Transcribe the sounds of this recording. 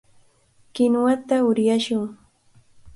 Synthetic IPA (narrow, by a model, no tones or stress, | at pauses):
kɪnwat̪aʊɾjaʃʊŋ